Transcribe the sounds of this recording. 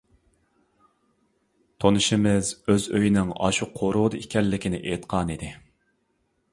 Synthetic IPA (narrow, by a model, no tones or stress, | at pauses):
t̪ʰonɨʃɪmɪzøzøjinɪŋɑ̰ʃuqʰoɾuʁd̪ɨikʲɛnlːɪkʲɪnɪʔet̪qʰɑːnid̪ɪ